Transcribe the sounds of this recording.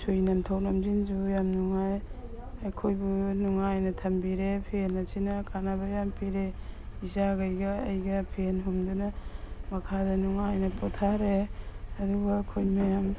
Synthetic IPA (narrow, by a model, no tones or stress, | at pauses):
sʰujnɐmtʰawlɐmzinzujamnuŋaj | akʰojbunuŋajnɐtʰɐmbiɾepʰenːɐsinɐkʰanabɐjampʰiɾeizaɡɐjɡɐːjɡɐpʰenɦumdunɐmɐkʰadɐnuŋajnɐpʰotʰaɾeɐduɡɐːkʰojmɐjam